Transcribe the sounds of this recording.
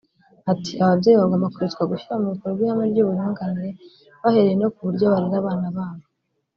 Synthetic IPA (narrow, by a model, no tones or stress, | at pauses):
ati̥aβabɟeːjiβaɡaːmakoɾet͡skwaɡuʃuɾamuɾutuɾoɡwihameɾɟuːβuɾuːŋɡaniɾe̞ | βahe̞ɾejeno̞kuβuɾɟo̞βaɾiɾaβaːnaβaːβo